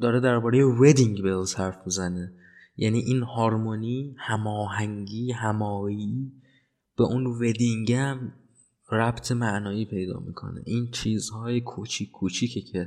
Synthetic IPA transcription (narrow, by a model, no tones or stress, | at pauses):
d̪ɒːɾed̪æɾbɒːɾejeved̪iŋɟbelːz̥hæɾfmizæne | jʔæ̰niːʔiːnhɒːɾmoniːhæmɒːɦæŋɡiːɦæmɒːi | b̥eʔunve̞d̪iŋɟæm | ɾæbt̪ʰe̞mæʔnɒːiːpʰe̞jd̪ɒ̰ːmḭːkʰo̞̰nḛʔiːnt͡ʃʰiːzhɒːjekʰut͡ʃʰikʰːuːt͡ʃʰiːcʰecʰe